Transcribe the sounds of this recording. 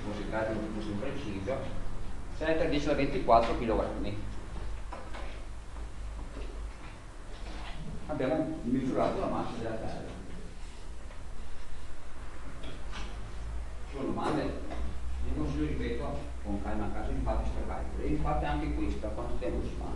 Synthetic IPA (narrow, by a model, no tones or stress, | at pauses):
kɔsikaːɾit̪ut̪ːosimpɾet͡ʃiːzo | sɛjt̪ed̪isolavent̪ikwat̪ːɾokiːloɡɾa̰nːi | abːjaːmomizuɾaːt̪olamasːinad̪elat̪ɛ̰rːa̰ | sund̪omand̪e | enːosiloripɛːt̪oa | koŋkajmaŋkasoiɱfat̪ːist̪ɾla̰jk̪oleiɱfat̪ːeaŋkekwest̪akwand̪ost̪jamolosma̰